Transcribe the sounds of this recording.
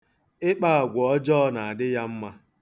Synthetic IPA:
ɪ˦k͡pa˦˨a˨ɡʷɔ˨ɔ˦d͡ʒɔ˦na˨a˨dɪ˦ja˦m̩˦ma˦

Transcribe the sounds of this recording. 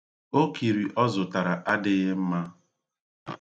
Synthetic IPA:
o˦ki˨ɾi˨ʔɔ˦zʊ˨ta˨ɾa˨ʔa˦dɪ˦ɣɪ˦m̩˦ma˦

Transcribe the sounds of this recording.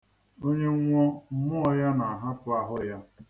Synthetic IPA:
o˦ɲe˦ŋʷɔ˦mʊ˦ɔ˦ja˦na˨ɦa˦pʊ˦a˨ɦʊ˦ja˦

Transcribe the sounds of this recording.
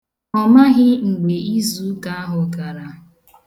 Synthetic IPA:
ɔ˨ma˦ɦɪ˦ŋ͡m̩˨ɡ͡be˨i˦zu˦ka˦a˦ɦʊ˨ka˨ɾa˨

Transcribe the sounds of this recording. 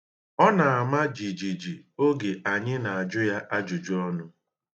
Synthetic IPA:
ɔ˦na˨a˨ma˦d͡ʒi˨d͡ʒi˨d͡ʒi˨o˦ɡe˨ʔa˨ɲɪ˦na˨a˨d͡ʒʊ˦ja˦ʔa˦d͡ʒu˨d͡ʒu˦ɔ˦nʊ˦

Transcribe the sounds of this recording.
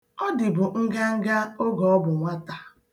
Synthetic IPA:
ɔ˦dɪ˨bʊ˨ŋ̩˦ɡa˦ŋ̩˦ɡa˦o˦ɡɔ˨ɔ˦bʊ˨ŋʷa˦ta˨

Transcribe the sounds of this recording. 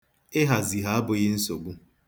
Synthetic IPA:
ɪ˦ɦa˨zi˨ɦa˨˦a˦bʊ˨ɣɪ˦n̩˦so˨ɡu˦

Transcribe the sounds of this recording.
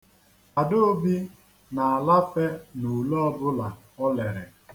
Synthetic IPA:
a˨do˦o˦bi˦ | na˨a˨la˦fe˦nu˨lɔ˦ɔ˦bʊ˦la˨ | ɔ˦le˨ɾɪ˨

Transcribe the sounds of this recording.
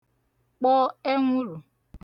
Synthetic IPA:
k͡pɔ˦e˦ŋʷu˦ɾu˨

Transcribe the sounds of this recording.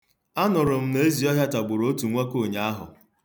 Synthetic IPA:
a˦nʊ˨ɾʊ˨m̩˦ne˦zi˨ɔ˦ɦja˦ta˨ɡ͡bʊ˨ɾo˦o˦tu˨ŋʷe˦ko˦˨ɲa˨a˦ɦʊ̰˨

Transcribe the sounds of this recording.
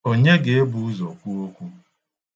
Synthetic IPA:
o˦ɲe˦ɡe˨e˦bu˨u˦zɔ˨kʷu˦o˦kʷu˦

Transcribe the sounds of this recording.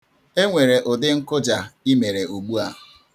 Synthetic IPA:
e˦ŋʷe˨ɾe˨ʔʊ˨dɪ˦ŋ̩˦kʊ˦d͡ʒa˨i˦me˨ɾe˨o˨ɡ͡bu˦a˨

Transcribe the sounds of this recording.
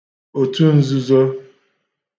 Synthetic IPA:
o˨tu˦n̩˦zu˦zɔ˦

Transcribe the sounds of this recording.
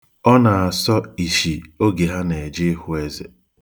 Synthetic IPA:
ɔ˦na˨a˨sɔ˦i˨ʃi˨o˦ɡe˨ɦa˦ne˨e˨d͡ʒe˦ɦʊ˨˦e˦ze˨

